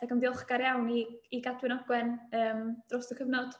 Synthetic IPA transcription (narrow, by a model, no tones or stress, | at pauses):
d̥akəmdiɔχɡ̥aɾjawniːɡadwɪnɔɡwɛnəːmd̥rɔsdəkʰəvnɔd̥